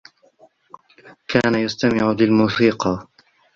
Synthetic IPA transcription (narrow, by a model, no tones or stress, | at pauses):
kʰaːnajast̪amɪʕʊlɪlmʊsiːqɑ